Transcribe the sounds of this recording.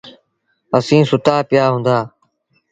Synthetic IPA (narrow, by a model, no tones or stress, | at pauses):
əsĩːsʊt̪aːpɪjaːɦũːnd̪aː